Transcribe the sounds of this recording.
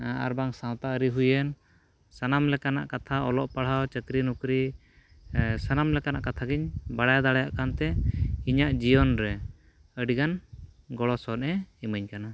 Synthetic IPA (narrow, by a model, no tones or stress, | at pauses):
a̰ɾbaŋsãw̃t̪aəɾiɦujən | sanamlɛkana̰ʔkat̪ʰaɔlɔʔpaɽ̤awt͡ʃət̪ɾinukɾi | sanamlɛkanaʔkat̪ʰaɡiɲbaɽajd̪aɽajaʔkant̪ɛiɲaʔd͡ʒijɔnɾɛ | əɖiɡanɡɔɽɔsɔnɛiməɲkana